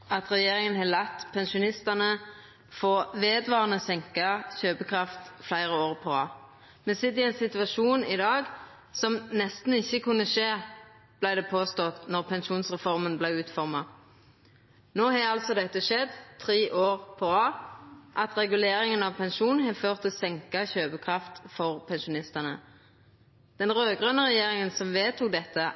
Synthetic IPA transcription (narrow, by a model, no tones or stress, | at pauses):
ɑt̪ʁɛjeːɾɪŋənɦɑlɑt̪ːpʰɛnʃʊnɪst̪ɑnə | foːʋeːd̪ʋɑːʁənəsɛŋkɑçøːpəkʰʁɑft̪flæɪʁəoːʁpʰɔɑ̰ː | mɛnsɪt̪ːɪɛɪnsɪt̪ʋɑʃuːnɪd̪ɑːɡ | sɔmnɛst̪n̩ɪçːəkʉnːəʃeː | b̥læɪd̪ɛpʰoːst̪ɔt̪nɔʁpʰɛnʃuːnsʁɛfɔʁmənblæɪʉːt̪fɔʁmɑ | noːhɑɑlt̪sɔd̪ɛt̪ːəʃɛd̪t̪ʰʁeːʔoːʁpʰɔɑːʔɑt̪ʁɛɡʉleːɾɪŋənɑʋpʰɛnʃuːnn̩ɦɛføːʁt̪ʰːɪlsɛŋkɑçøːpəkʰʁɑft̪fɔʁpʰɛnʃʊnɪst̪əʁnə | d̪̥ɛnʁøːɡʁœnəʁɛjeːɾɪŋənsɔmʋeːt̪uːk̚d̪ɛt̪ːə